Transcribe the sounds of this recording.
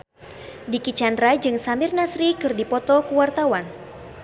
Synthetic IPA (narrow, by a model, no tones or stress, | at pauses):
dikit͡ʃandɾad͡ʒɨŋsamɪrnasɾikɨrdipɔt̪ɔkuwart̪awan